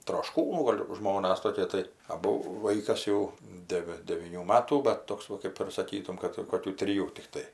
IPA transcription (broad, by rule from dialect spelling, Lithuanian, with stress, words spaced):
troːʃˈkuːnuː ˈɡoːlʲ ˈʒmoːnɐs toːˈkʲiɛ tɐɪ ɐˈbʊ ˈʋɐɪkɐs jɛʊ ˈdʲæːʋʲɪ dʲɛʋʲiːˈnʲuː ˈmɑːtuː bʲɛt ˈtoːks ʋɐ ˈkɐɪp ɪr sɐˈkʲiːtʊm ˈkɐt koːˈkʲuː tʲrʲɪˈjuː tʲɪkˈtɐɪ